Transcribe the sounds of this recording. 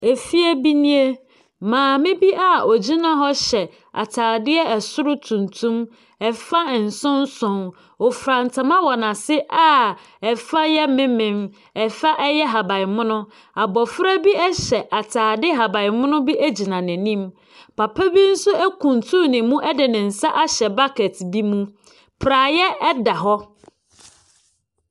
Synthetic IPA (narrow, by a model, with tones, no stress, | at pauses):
e˨fi˦ɛ˦bi˦nĩ˦e˦ | mãː˨mɪ̃˦bi˦ʔa˦˨o˨d͡ʑi˦nã˨ɦɔ˦ɕɛ˨ | a̰˨tʰaː˨dɪ˦ɛ˦ɛ˨sʊ˦ɾʊ˦tʰũ˨ntʰũ˦m | ɛ˨fa˦˨n̩˨sʊ̃˦n˦sʊ̃˨n | ɔ˨fɾã˨n˨tʰa˨mã˦wɔ˨nã˨sɪ˦ʔa˦ | ɛ˨fa˦jɛ˦mɪ̃˦mɪ̃˨m | ɛ˨fa˦ʔɛ˦jɛ˦ɦa˨ba˨mʊ̃˦nʊ̃˦ | a˨bɔ˨fɾa˦bi˦ɛ˦ɕɛ˨ʔa˨tʰaː˨dɪ˦ɦa˨ba˨ɪ˨mʊ̃˦nʊ̃˦bi˦ʔæ˦d͡ʑi˨nã˨nɪ̃˨nĩ˦m | pʰa˨pʰa˦bi˦n̩˦sʊ˦ɛ˦kʰũ˨ntʰũ˦nɪ̃˨˦mũ˦ʔɛ˦dɪ˨nɪ̃˨n̩˨sa˦ʔa˦ɕɛ˨ba˦kʰɛ˨tbi˦mũ˦ | pʰɾaː˨jɛ˦ɛ˦da˨ɦɔ˦